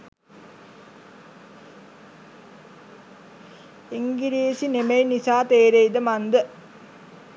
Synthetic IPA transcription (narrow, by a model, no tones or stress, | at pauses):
eŋɡiɾiesinemejnisaːt̪eːɾejd̪əmand̪ə